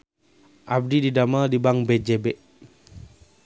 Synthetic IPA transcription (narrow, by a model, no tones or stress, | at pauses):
ʔab̚dididamadibaŋbɛd͡ʒɛbɛʔ